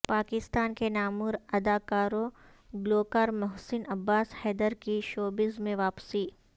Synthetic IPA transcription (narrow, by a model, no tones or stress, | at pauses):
paːkɪst̪aːnkenaːmʊɾɐd̪aːkaːɾõ | ɡloːkaːɾmʊɦsɪnɐbːaːshɛːd̪əɾkiʃoːbɪzmẽʋaːpsiː